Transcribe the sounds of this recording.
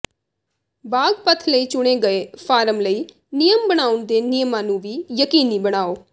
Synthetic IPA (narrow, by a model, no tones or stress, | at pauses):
baːɡpət̪ʰləiːt͡ʃʊɽ̃eːɡəeːpʰaːɾəmləiː | nɪjəmbəɽ̃aːʊɳd̪eːnɪjəmãːnũːʋiːjəkiːniːbəɽ̃aːoː